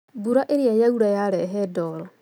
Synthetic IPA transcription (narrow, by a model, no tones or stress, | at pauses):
buɾaʔeɾiajauɾajaɾɛɦɛdɔɣl